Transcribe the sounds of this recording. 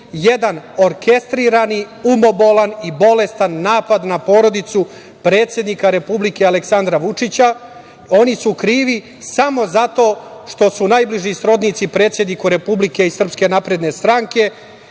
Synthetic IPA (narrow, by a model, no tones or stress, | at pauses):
jed̪ano̞ɾke̞st̪ɾiɾani | umo̞bolanibo̞le̞st̪anːaːpad̪napo̞ːɾo̞d̪it̪su | pɾe̞ːt̪sje̞d̪nikaɾe̞publike̞ale̞ksand̪ɾaʋut͡ʂit͡ɕa | o̞nisukɾiːʋi | samo̞zat̪o̞ːʃt̪o̞sunaːjbliʒisɾo̞d̪nit̪sipɾe̞ːt̪sʲje̞d̪nikuɾe̞publike̞isr̩pske̞naːpɾe̞d̪ne̞st̪ɾaŋke̞